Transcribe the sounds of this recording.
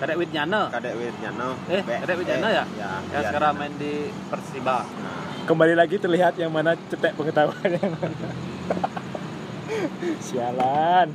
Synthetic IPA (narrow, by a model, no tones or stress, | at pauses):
kadɛʔwɪt̪̚ɲanəkadɛʔwit̪̚ɲanəɛhpɛkadɛʔwit̪̚ɲanəjajaaəkaɾaŋmaɪndi | pərsibana̰ | kəmbalilaɡit̪ərliɦat̪̚jaŋmanat͡ʃət̪ɛʔpəŋət̪auanjaŋan | sialan